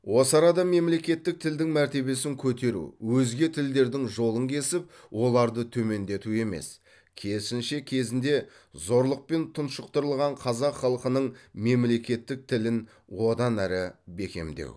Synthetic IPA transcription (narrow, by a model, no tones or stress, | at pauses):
wo̞sɑɾɑd̪ɑme̞mle̞kʲe̞t̪ːɪk̚t̪ʰɪld̪ɪŋmæɾt̪e̞be̞sɪŋkʲʰɵt̪e̞ɾṵwɵzɡʲe̞t̪ʰɪld̪e̞ɾd̪ɪŋʒo̞lˠəŋkʲʰe̞sɪp̚ | wʔo̞lˠɑɾd̪ət̪ʰɵme̞nd̪e̞t̪ue̞me̞̰s | kʲʰe̞sɪnʃe̞kʲʰe̞zɪnd̪e̞ | zo̞ɾlˠəq̚pe̞nt̪ʰʊnʃəq̚t̪əɾəlˠʁɑɴqʰɑzɑqχɑlˠəqənəɴme̞mle̞kʲe̞t̪ːɪk̚t̪ʰɪlɪn | wo̞d̪ɑnæɾɪbe̞kʲe̞̰md̪ḛw